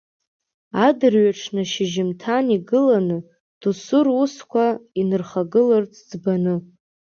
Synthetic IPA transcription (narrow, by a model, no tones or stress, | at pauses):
adɨrɥaʈ͡ʂʰnɨʃɪʒɪmtʰaniɡɨlanɨ | d̥usʊruskʷʰainɨrχaɡɨlɨrt͡sʰʼd͡zbanɨ